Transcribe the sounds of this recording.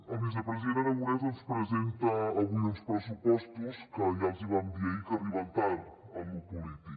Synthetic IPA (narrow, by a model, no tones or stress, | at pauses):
ɐβizɐpɾəzieɾɐnɐβuɾɛzɐnuspɾəzent̪ɐːlˠɣunspɾəsupɔst̪uskəɐʎaziβand̪iɐikɐβiβɐnt̪aɾ | ɐmupulit̪ik